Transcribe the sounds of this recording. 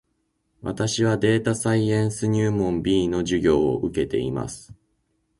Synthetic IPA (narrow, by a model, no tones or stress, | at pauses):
βa̰t̪aɕiβ̞ad̪e̞ːt̪asaiẽ̞ɰ̃sɨɲ̟ɨːmõ̞mbʲiːno̞ʑɨɡʲo̞ːo̰ʔɯ̟ke̞t̪e̞ḭma̰sɨ̥